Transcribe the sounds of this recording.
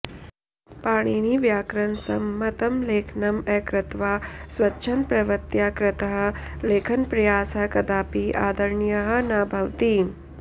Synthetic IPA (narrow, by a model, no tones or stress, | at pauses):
paːɽ̃iːniʋjaːkɾɐnsɐ̰mːɐt̪ɐmleːkʰnɐmɛːkɾɪt̪ʋaːswɐtːʃʰɐnpɾɐʋɐt̪jaːkɾɪt̪əɦɐ̆leːkʰɐnpɾɐjaːsɦɐkɐd̪aːpiʔaːd̪ɐɾɳjɐɦɐ̆naːbʱɐʋt̪iː